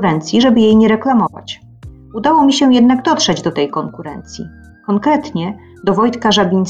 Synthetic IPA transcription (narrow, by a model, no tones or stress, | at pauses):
uɾɛnt̪sʲjiʐɛbɘjejɲɛɾɛklamɔva̰t͡ɕ | ud̪awɔmʲiɕɛ̃jɛd̪naɡd̪ɔtʂɛd͡ʑd̪ɔt̪ɛjkɔŋkuɾɛ̰nt̪sʲjḭ | kɔŋkɾɛt̪ɲɛ | d̪ɔvɔjt̪kaʐabʲin